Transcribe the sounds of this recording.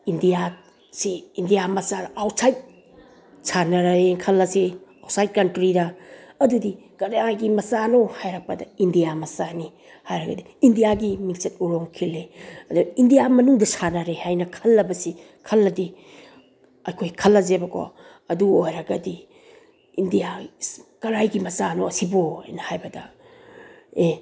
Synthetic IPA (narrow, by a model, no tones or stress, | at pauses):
indija | siːndijamɐsaɾawsajt̚ | sʰanɐɾɐekʰɐlːɐsiawsajt̚kɐntɾidɐːdudikɐɾaɡimɐsanohajɾɐk̚pɐdɐindijamɐsani | hajɾɐɡɐ̰diːndijaɡimikt͡ʃɐt̚uɾoŋkʰilːeɐduindijamɐnuŋdɐsanaɾehajnɐkʰɐlːɐbɐsi | kʰɐlːɐdi | ɐjkʰojkʰɐlːɐzebɐkʰo̰ | ɐduojɾɐɡɐdi | indijakɐɾajɡimɐsanoɐsiboa̰jnɐhajbɐdɐ | e